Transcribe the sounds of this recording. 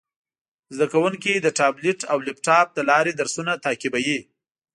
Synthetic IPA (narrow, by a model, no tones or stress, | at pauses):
zd̪akawuŋkid̪əʈɑblɪʈawlɪp̚ʈɑp̚d̪əlɑɾed̪aɾsunat̪ɑkibaji